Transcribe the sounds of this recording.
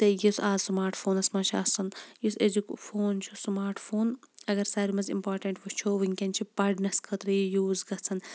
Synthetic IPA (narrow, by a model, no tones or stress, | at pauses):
t̪ejisaːzsmaːɾʈʰfʰoːnɐsmɐt͡ʃʰa̰ːt͡sɐnjisezikfoːnt͡ʃʰusmaːɾʈʰfʰoːn | ɐɡɐɾsaːɾimɐzḭmpaːɾʈɐɳʈʋut͡ʃʰoːʋiŋʲkʲɐnt͡ʃʰipɐɖnɐskʰɐt̪ɾɐjijuːzɡɐt͡sʰɐn